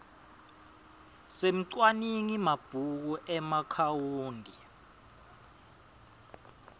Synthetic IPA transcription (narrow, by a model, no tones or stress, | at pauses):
sem̩ǀwaniŋimab̥ʱuk̬uʔɛmakʰawuːndʱi